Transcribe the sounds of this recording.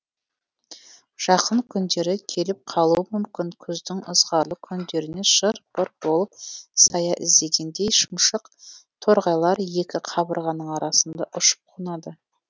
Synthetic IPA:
ʒ̥ɑqəɴkʲʰʏnd̪e̞ɾɪkʲʰe̞lɪp̚qʰɑlˠuəmʏmkʲɪŋkʲʰʏzd̪ɪŋəzʁɑɾlˠəkʲʰʏnd̪e̞ɾɪne̞ʃəɾb̥əɾb̥o̞lˠəp̚sɑjɑʔɪ̰zd̪e̞ɡʲe̞nd̪e̞jʃʊmʃəqt̪ʰoɾʁɑjlˠɑɾje̞kʲɪqʰɑbəɾʁɑnːəɴɑɾɑsənd̪ɑʔʊʃə̥p̚qʰunɑd̪ə

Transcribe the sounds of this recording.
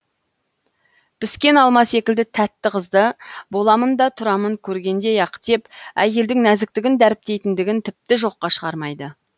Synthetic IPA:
b̥ɪskʲe̞nɑlˠmɑse̞kʲɪld̪ɪt̪ʰæt̪ːɪqʰəzd̪əbo̞lˠɑmənd̪ɑt̪ʰʊɾɑməŋkʲʰɵɾɡʲe̞nd̪e̞jɑqt̪ʰe̞pæ̰je̞ld̪ɪŋnæzɪk̚t̪ɪɡʲɪnd̪æɾɪp̚t̪e̞jt̪ɪnd̪ɪɡʲɪnt̪ʰɪp̚t̪ɪʒo̞qːɑʃəʁɑɾmɑjd̪ə

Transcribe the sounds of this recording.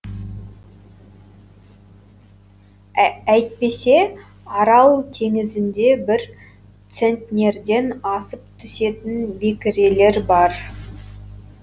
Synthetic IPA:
æjt̪̚pe̞se̞ | ɑɾɑlˠt̪ʰe̞ŋɪzɪnd̪e̞bɪɾ | t̪se̞nt̪nʲe̞ɾd̪e̞nɑsəpt̪ʰʏse̞t̪ɪnbekʲɪɾe̞le̞ɾbɑɾ

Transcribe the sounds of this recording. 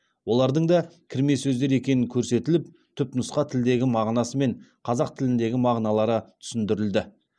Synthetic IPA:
wo̞lˠɑɾd̪əɴd̪ɑkʲʰɪɾme̞sɵzd̪eɾe̞kʲe̞nɪŋkʲʰɵɾse̞t̪ɪlɪp̚ | t̪ʰʏpnʊsqɑt̪ʰɪld̪e̞ɡʲɪmɑʁnɑsəme̞ɴqʰɑzɑq̚t̪ʰɪlɪnd̪e̞ɡʲɪmɑʁnɑlˠɑɾət̪ʰʏ̥sɪnd̪ɪɾɪld̪ɪ

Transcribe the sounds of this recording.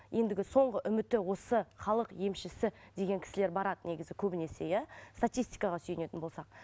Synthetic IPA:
jʔe̞nd̪ɪɡʲɪso̞ɴʁəʔʏmɪt̪ːɪwo̞səχɑlˠəqje̞mʃɪsɪd̪e̞ɡʲe̞ŋkʲʰɪ̥sɪle̞ɾbɑɾɑd̪əne̞ɡʲɪzɪkʲʰɵbɪne̞se̞jæst̪at̪ijst̪i̥jkɑʁɑsʏjɪne̞t̪ɪnbolˠsɑq̚

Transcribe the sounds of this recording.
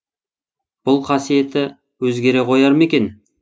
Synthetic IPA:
b̥ʊlˠqʰɑsije̞t̪ɪ | wɵzɡʲe̞ɾe̞qʰo̞jɑɾme̞kʲe̞n

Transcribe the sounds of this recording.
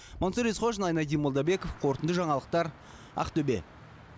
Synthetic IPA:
monsəɾisχoʃnɑjnɑd̪ijmolˠd̪ɑbe̞kofqʰo̞ɾt̪ənd̪əʒɑɴɑlˠəq̚t̪ɑɾ | ɑ̰qt̪ɵbe̞̰

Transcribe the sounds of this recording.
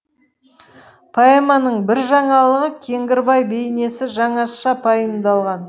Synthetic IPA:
pʰɑemɑnəɴbɪɾʒɑɴɑlˠəʁəkʲʰe̞ŋɡʲɪɾbɑjbejne̞sɪʒɑɴɑʃɑpʰɑjəmd̪ɑlˠʁɑn

